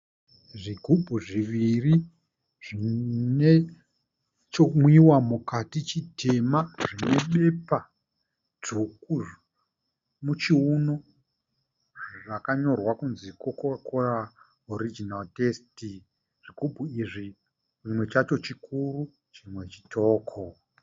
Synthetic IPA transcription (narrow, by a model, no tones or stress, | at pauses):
ʐiɡʱubʱuʐiʋiri | ʐ̥ine | t͡ʃomwiwamukatit͡ʃitʰe̞maʐine̞ɓe̞pa | d͡zuku | mut͡ʃiuno | ʐakaɲo̞rwakunzikokkora | oɾid͡ʒinaltesti | ʐ̥iɡʱubʱuiʐi | rimwe̞t͡ʃat͡ʃo̞t͡ʃikʰuru | t͡ʃimwe̞t͡ʃi̥tʰoːkʰo